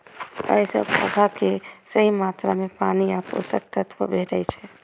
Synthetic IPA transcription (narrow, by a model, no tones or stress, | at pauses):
ə̰isə̰bə̰bʱakesəɦimat̪ɾamẽpaniapko̰sə̰k̚t̪ət̪ʰʋə̰bʱeʈəjt͡ʃʰɛ